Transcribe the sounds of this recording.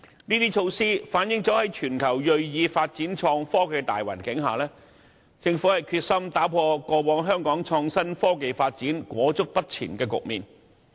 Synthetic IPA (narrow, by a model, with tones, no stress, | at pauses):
niː˥t̪iː˥t͡ʃʰo˧wsiː˥faː˨˥njɪ˨˥ŋt͡sɔː˨˥hɐ˨˥jt͡ʃʰyː˨˩nkʰɐ˨˩wjɵ˨ɥjiː˨˧faː˧t̚t͡siː˨˥nt͡ʃʰɔː˧ŋfɔː˥ke˧jt̪a̰ː˨jwɐ̰˨˩nkɪ˨˥ŋɦaː˨˩lɛː˥ | t͡sɪ˧ŋfu˨˥hɐ˨jkʰyː˧t̚sɐ˥mt̪aː˨˥pʰɔː˧kɔː˧wɔː˨˥ŋɦœː˥ŋkɔː˨˥ŋt͡ʃʰɔː˧ŋsɐ˥nfɔː˥ke˨jfaː˧t̚t͡siː˨˥nkwɔː˨˥t͡sʊ˥k̚pɐ˥t̚t͡sʰḭː˨˩nkɛː˧kʊ̰˨k̚miː˨n